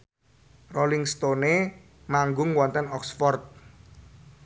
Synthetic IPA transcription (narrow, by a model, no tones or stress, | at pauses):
rolɪŋst̪one | maŋɡʊŋwɔnt̪ənɔksfɔrt̪̚